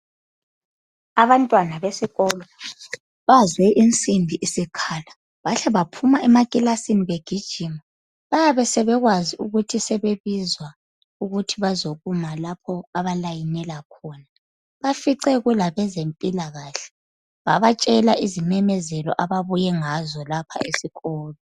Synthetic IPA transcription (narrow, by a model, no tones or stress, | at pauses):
aβantʼwanaβesiɣɔːlɔ | βazwɛʔint͡sʼimbʱiʔisikʰaːla | βaɬɛβapʰumaɛmakʼilasiniβeɡ̥ʱid̥ʒ̥ʱima | βajaβɛsɛβɛɣwaziuɣutʰisɛβeβizwa | uɣutʰiβazoɣumalapʰɔaβalajinɛlakʰɔːna | βafiǀɛɣulaβɛzempʼilaɣaːɬɛ̥ | βaβat͡ʃʼɛlaʔizimɛmɛzɛlɔ̰ʔaβaβujɛŋazɔlapʰa̰esiɣɔːlɔ